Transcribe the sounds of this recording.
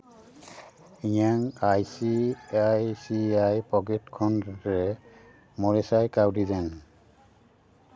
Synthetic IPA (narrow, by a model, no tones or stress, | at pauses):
ijaŋajsiajsiajpɔɡetkʰɔnɹɛ | mɔɹɛsajkawdizɛn